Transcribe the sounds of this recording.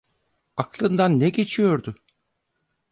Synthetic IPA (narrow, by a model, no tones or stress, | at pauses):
aklˠɯnd̪anːɛɟe̞t͡ʃʰijo̞ɾd̪ʊ